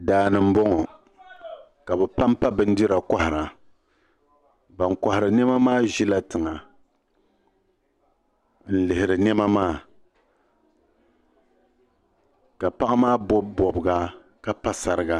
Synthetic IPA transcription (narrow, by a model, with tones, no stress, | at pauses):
daː˦nɨ˨m̩˦bɔ˦ŋɔ˨ | ka˨bɛ˨pa˦mpa˦bɨ˦n̩˦di˦ɾa˨kɔ˦hɪ˨ɾa˨ | ba˨ŋka˨hɪ˨ɾɨ˨nɛ˦ma˦maː˦ʒi˦la˦tɨ˨ŋa˨ | n̩˦lɨ˨hɪ˨ɾɨ˨nɛ˦ma˦maː˦˨ | ka˨pa˦ʔa˦maː˦bɔ˦bɔ˨bɨ˨ɡa˦ | ka˦pa˦sa˨ɾɨ˦ɡa˦